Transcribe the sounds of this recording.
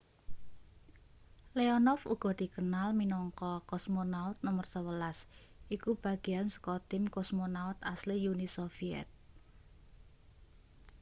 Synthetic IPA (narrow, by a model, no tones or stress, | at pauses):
leɔnɔfṵɡ̥ɔ̤d̪̥i̤kənalminɔŋkɔkɔsmonaʊt̪̚nɔmərsəwəlas | ʔikub̥a̤ɡ̥i̤ansə̥kɔt̪ɪmkɔsmonaʊt̪aslijunisofiɛ̰t̪̚